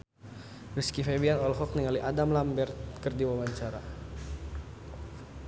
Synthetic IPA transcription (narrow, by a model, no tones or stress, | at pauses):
riskifebianɔlɦɔk̚niŋaliʔadamlambɛrt̪̚kərdiwawaɲt͡ʃaɾa